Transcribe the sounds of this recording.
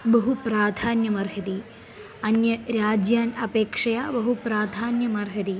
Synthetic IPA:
bɐɦupɾaːd̪ʱaːnjɐmɐɾɦɐt̪i | ɐnjɐɾaːd͡ʒjaːnɐpeːkʂɐjaːbɐɦupɾaːd̪ʱaːnjɐmɐɾɦɐt̪i

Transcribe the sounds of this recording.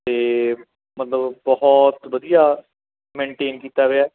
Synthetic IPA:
t̪eː | mət̪ləbbɔɦɔt̪ʋəd̪ijaː | mẽːɳʈeːnkiːt̪aːɡeaː

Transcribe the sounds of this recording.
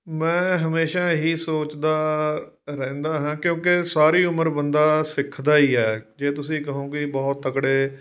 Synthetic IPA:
mɛ̃ːɦəmeːʃaːɦiːsoːt͡ʃd̪aː | ɾɛ̃ːnd̪aːɦãːkjõːkesaːɾiːʊməɾbənd̪aːsɪkʰːd̪aːiːɛːd͡ʒeːt̪ʊsĩːkəɦõːkɪbɔːt̪ːəkɽeː

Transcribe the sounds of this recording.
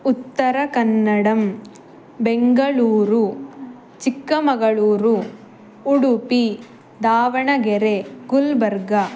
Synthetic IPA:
ut̪ːɐɾɐkɐnːɐɽɐm | beŋɡɐɭuːɾu | t͡ʃikːɐmɐɡɐɭuːɾu | uɽupi | d̪aːʋɐɳɐɡeɾeɡulbɐɾɡɐ

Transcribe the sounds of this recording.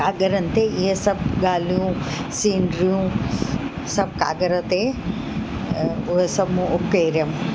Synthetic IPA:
aːɡəɾɐnt̪eɪɦesɐbɡaːlijũ | siːɳɖɾijũ | sɐb̚ka̰ːɡəɾɐ̃t̪e | ʊɦesɐbmũʔʊkːeːɾjɐm

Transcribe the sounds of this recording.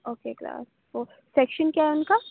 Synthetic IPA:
oːkekla̰ːs | toː | sɛkʃənkjaːɦɛʊnka

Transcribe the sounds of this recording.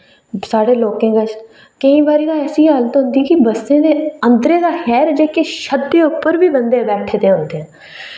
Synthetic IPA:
saːɽeːloːkẽːɡət͡ʃ | kəĩːbaːɾiːd̪aːɛːsiːɦələt̪ɦʊ̃nd̪iːkɪbəsːẽːd̪eːənd̪ɾeːd̪aːxɛːɾd͡ʒeːkeːʃəd̪ːeːʊpːəɾʋiːbənd̪eːbɛːʈʰːeːt̪eːɦõːnd̪eːɛː

